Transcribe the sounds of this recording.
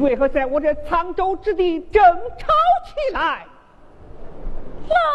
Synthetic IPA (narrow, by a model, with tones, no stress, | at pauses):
we˥˧˩ɪxɤ˧˥t͡sa˥˩ɪwɔ˧˥ʈ͡ʂə˨˧t͡sʰɑ˥ŋʈ͡ʂo˥ʊʈ͡ʂɻ̩˥˧t̪i˥˩ʈ͡ʂə˨˩ŋʈ͡ʂʰɑ˥ʊt͡ɕʰi˨˩la˧˥ɪ | la˥˩